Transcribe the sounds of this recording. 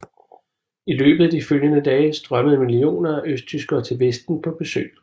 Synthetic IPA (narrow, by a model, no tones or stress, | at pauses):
ilø̰ːb̥ð̞̩ˠd̥iføljənəd̥ɛːsd̥ʁɶməð̩ˠmilio̝̰ːnɐæʔøsd̥̚t͡sʰysɡ̥ɐːt͡sʰe̝lʋesd̥n̩pʰɒ̽b̥e̝sø̰ː